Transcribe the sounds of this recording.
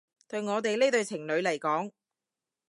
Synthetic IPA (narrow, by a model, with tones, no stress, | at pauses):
t̪ɵ˧ɥŋɔː˨˧t̪̬e˨jleː˥t̪ɵ˧ɥt͡sʰɪ˨˩ŋlɵ˨˧ɥlɐ˨˩jkɔː˨˥ŋ